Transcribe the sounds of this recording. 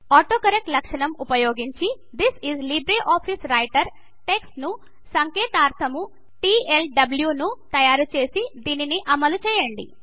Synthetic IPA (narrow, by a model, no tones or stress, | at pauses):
aːʈoːkɐɾek̚ʈlɐkʂɐɳɐmupɐjoːɡiɲt͡ʃi | d̪isizlibɾeʔaːpʰisɾɐjʈɐɾ | ʈeksʈnu | sɐŋkeːt̪aːɾt̪ʰɐmu | ʈiːelɖɐbljunut̪ɐjaːɾut͡ʃe̞ːsid̪iːniniʔɐmɐlut͡ʃɛːjɐɳɖḭ